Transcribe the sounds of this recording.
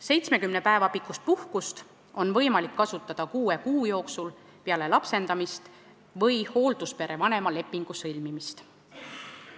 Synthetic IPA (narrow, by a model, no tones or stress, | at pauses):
se̞jt̪sme̞kymne̞pæe̞vɑpikːˑust̪̚puhkust̪ | o̞nvɤ̞jmɑlikːɑsut̪ːˑɑd̪̥ɑkuːe̞kuːjo̞ːksul | peɑle̞lɑpse̞nd̪̥ɑmist̪ | vɤjho̞ːld̪̥uspe̞ɾʔe̞vɑne̞mɑle̞pːˑiŋɡ̥usɤlʲmimist̪